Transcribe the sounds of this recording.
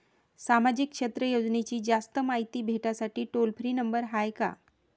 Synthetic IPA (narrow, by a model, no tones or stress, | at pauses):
samad͡ʑikːʂet̪ɾəjod͡ʑnet͡ɕiːd͡ʑast̪əmaɦit̪iːbʱeʈasaʈiːʈolpʰɾiːnəmbəɾɦajka̰